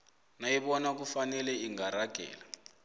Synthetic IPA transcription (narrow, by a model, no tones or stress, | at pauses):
naiɓɔnak̬ufanɛlɛiŋɡaɾaɡ̥ʱɛ̰ːla